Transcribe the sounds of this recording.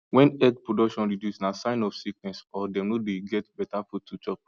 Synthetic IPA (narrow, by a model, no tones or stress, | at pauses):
wɛ̃nɛd̚pɹodɔkʃɔ̃nɹidjusnasãɪ̃nɔfsik̚nɛ̃sɔdɛ̃mnodeɡɛtbɛtafutʰːut͡ʃɔp̚